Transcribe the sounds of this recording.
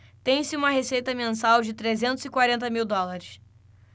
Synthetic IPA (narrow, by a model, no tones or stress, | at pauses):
t̪ẽj̃sɪũmɐɦesejt̪ɐmẽsawd͡ʒɪt̪ɾezẽnt̪ʊzɪkwaɾẽnt̪ɐmiwd̪ɔlaɾɪs